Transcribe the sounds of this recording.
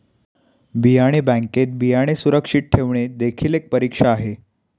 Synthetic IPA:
bijaɽ̃ebæ̃ŋket̪̚bijaɽ̃esuɾəkʂiʈ̚ʈʰeʋɳed̪ekʰiːlek̚pəɾikʂaːɦe

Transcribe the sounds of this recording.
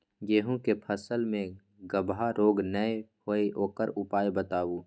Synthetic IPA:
jeːɦũkepʰəsəlmẽ | ɡəbʱaɾoːɡnəehoeɦoːkəɾʊpaːjbət̪aːwuː

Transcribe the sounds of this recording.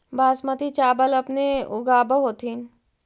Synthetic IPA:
baːsmɐt̪it͡ʃaːbəlɐpneʊɡaːbəɦoːt̪ʰin

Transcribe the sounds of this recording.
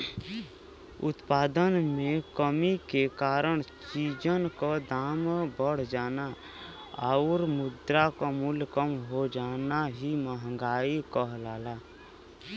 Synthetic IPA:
ʊ̰t̪paːd̪ənmẽkəmikekaːɾəɽ̃t͡ʃiːd͡ʒənkod̪aːmbəɽ̤d͡ʒaːna | aʊɾmʊd̪ɾakomʊlkəmɦod͡ʒaːnaɦiməɦəŋɡaːikəɦlaːlaː

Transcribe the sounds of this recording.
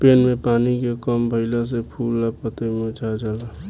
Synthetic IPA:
peːnmẽpaːnikekɔmbʱəɪlas̬epʰuːlːapət̪emẽʊt͡ʃʰad͡ʒala

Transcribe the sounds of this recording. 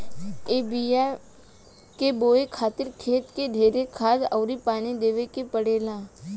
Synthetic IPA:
eːbia | keboːekʰaːt̪ɪɾkʰeːt̪ked̪ʱeːɾekʰaːd͡ʒɔːɾipaːnid̪eːʋekepəɽeːlãː

